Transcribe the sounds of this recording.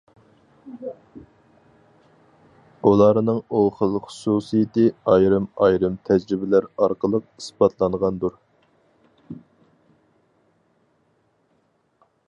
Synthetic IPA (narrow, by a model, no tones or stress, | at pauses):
ulˠɑɾnɨŋuχəlˠχʊ̥susijɪt̪ɨɑjɾɨmɑjɾɨmt̪ʰɛd͡ʒɾɪbɪlæɾɑɾqəlˠəq̚isbɑt̪ʰlˠɑnʁɑnd̪uɾ